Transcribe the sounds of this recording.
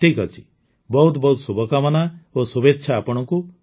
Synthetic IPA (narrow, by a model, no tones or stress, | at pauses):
ʈʰikɦɔt͡ʃʰi̥ | bɔɦut̪bɔɦut̪subɔkamɔnaosubetːʃʰaːpɔɽ̃ɔŋku